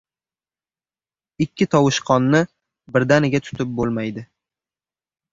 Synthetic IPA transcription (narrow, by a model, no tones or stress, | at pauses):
ɪkʲːɪt̪ʰɒwʊʃqʰɒnːɪ | bɪɾd̪anɪɡʲat̪ʰʊ̥t̪ʰɪp̚bolˠmajd̪ɪ